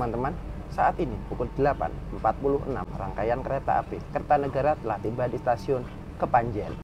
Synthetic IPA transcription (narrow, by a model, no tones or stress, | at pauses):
ant̪əman | saʔat̪inipukʊld̥əlapa̰nəmpat̪̚pulʊɦəna̰mraŋkajankəɾet̪a̰ʔa̰pɾɪlkəɾt̪anəɡaɾat̪əlaht̪imbandist̪asiʊn | kəpaɲd͡ʒɛl